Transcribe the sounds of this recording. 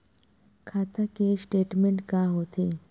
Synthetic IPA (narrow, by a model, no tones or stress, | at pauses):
kʰaːt̪ʰakesʈeːʈmẽɳʈkaɦoːt̪ʰeː